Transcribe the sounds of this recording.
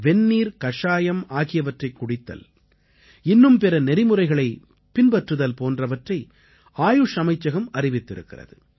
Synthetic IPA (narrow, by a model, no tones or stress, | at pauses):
ʋɛnːiːɾkɐʂaːjɐmaːɣɪjɐʋɐʈrɐɪkːʊɽɪt̪ːɐ̰l | ɪnːɯmpɛɾɐnɛɾɪmɯrɐɪɣɐɭɐɪ | pɪnbɐʈrɯðɐlpoːndrɐʋɐʈrɐɪ | aːjɯʂɐmɐɪt͡ʃːɐɣɐmɐɾɪʋɪt̪ːɪɾɯ̰kːɪrɐ̰ðɯ